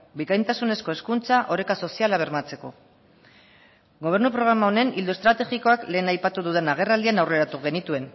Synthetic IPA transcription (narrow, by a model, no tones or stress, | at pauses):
bikajnt̪asune̞sko̞e̞skunt͡saʔo̞ɾe̞kaso̞sialaβ̞e̞ɾmat͡se̞ko̞ | ɡo̞β̞e̞ɾnupɾo̞ɣ̞ɾamaone̞nild̪ue̞st̪ɾat̪e̞ɣiko̞akle̞ːnajpat̪uðuðe̞naɣ̞e̞rald̪ianawre̞ɾat̪uɣe̞nit̪ue̞n